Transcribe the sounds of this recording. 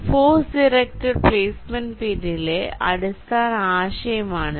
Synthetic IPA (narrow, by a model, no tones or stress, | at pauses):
foːsɖiɾek̚ʈɐrpleːsmɐnpinːileɐɽust̪aːnaːɕɐjɐmaːɳɨ